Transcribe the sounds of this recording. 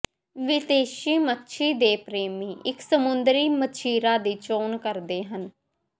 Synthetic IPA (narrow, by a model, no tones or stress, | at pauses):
ʋɪt̪eːʃiːmətːʃʰiːd̪eːpɾeːmiːʔɪksəmʊnd̪ɾiːmət͡ʃʰiːɾaːd̪iːt͡ʃoːnkəɾd̪eːɦən